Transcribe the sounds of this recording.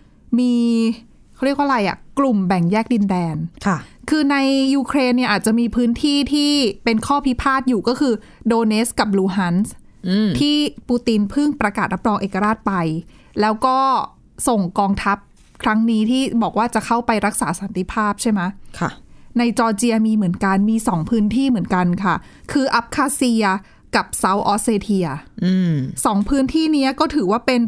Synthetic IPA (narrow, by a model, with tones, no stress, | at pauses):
miː˧ | kʰa˥˩ɾi˥˩k̚wa˥˧ɾa˧jʔa̰˨˩klu˨˩mbɛ˨˩ŋjɛː˥˩k̚di˧ndɛː˧nkʰkʰɯː˧na˧jːuː˧kʰɾeː˧nːi˥˩ʔaː˨˩t̪̚t͡ɕa˨˩miː˧pʰɯː˦˥nt̪ʰiː˥˩t̪ʰiː˥˩pe˧nkʰɔː˥˩pʰi˦˥pʰaː˥˩t̪̚juː˨˩kɔː˥˩kʰɯː˧ | doː˧ne˦˥ska˨˩p̚luː˧˩ɦa˦˥ns | t̪ʰiː˥˩puː˧t̪i˧npʰɯ˥˩ŋpɾa˧kaː˨˩t̪̚ɾa˦˥p̚ɾɔː˧ŋʔeː˨˩kːa˧ɾaː˥˩t̪̚pa˧j | lɛː˦˥wkɔː˥˩ | so˨˩ŋkɔː˧ŋt̪ʰa˦˥p̚ | kʰɾa˦˥ŋniː˦˥t̪ʰiː˥˩bɔː˨˩k̚waː˥˩t͡ɕa˨˩kʰa˥˩wpa˧jɾa˦˥k̚saː˩˦sa˩˦nt̪i˧˩pʰaː˥˩p̚t͡ɕʰa˥˩jma˦˥kʰa˧˩na˧jt͡ɕɔː˧t͡ɕi˧ɐ˧miː˧mɯ˩˦ənka˧nmiː˧sɔː˩˦ŋpʰɯː˦˥nt̪ʰiː˥˩mɯ˩˦ənka˧nkʰa˥˩ | kʰɯː˧ʔa˦˥p̚kʰaː˧si˧ɐ | ka˨˩p̚sa˨˦˥wʔɔː˦˥seː˧t̪ʰi˧ɐ˧ | sɔː˩˦ŋpʰɯː˦˥nt̪ʰiː˥˩ni˦˥ɐkɔː˥˩t̪ʰɯː˩˦waː˥˩pe˧n